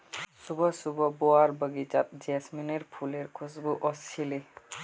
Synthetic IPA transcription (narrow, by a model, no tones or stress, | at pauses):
subʱɔsubʱɔboaɹbəɡit͡ʃat̪̚d͡ʒɛsmineɹpʰuleɹkʰusbuʔɔsʰile